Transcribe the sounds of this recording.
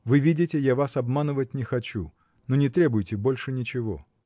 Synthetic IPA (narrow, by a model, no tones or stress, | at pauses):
vɨvʲidʲɪtʲɪjavasɐbmanɨvətʲnʲɪxɐt͡ɕu | nonʲɪt̪ɾʲebʊjɪtʲɪbo̞lʲʂɨnʲɪt͡ɕɪvo̞̰